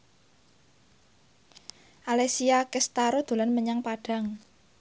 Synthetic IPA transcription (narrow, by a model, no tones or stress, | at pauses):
ʔalesiakɛst̪aɾod̪̥o̤lanməɲaŋpaɖ̥a̤ŋ